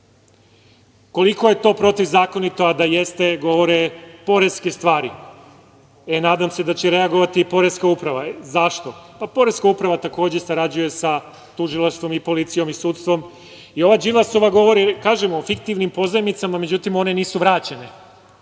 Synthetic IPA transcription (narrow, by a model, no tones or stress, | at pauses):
ko̞liko̞je̞t̪o̞ːpɾo̞t̪iʋzaːko̞nit̪oad̪aje̞st̪e̞ɡo̞ʋo̞ɾepo̞ɾe̞skest̪ʋaːɾi | enaːd̪amse̞d̪at͡ɕeɾe̞aɡo̞ʋat̪ipo̞ɾeskaupɾaʋazaʃt̪o̞papo̞ɾe̞skaupɾaʋat̪ako̞ːd͡ʑe̞saɾad͡ʑuje̞sa | t̪uʒilˠaʃt̪ʋo̞mipo̞lit̪sijo̞misuːt̪st̪ʋo̞m | io̞ʋad͡ʒilˠaso̞ʋaɡo̞ʋo̞ɾikaːʒemofikt̪iʋnimpo̞zamit̪samame̞d͡ʑut̪imo̞ne̞niːsuʋɾaːt͡ɕene